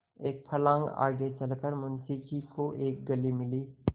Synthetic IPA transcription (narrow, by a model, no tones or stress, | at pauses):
eːk̚pʰɐlãːŋɡa̰ːɡet͡ʃɐlkəɾmʊnsɪkikoʔeːk̚ɡɐlimɪliː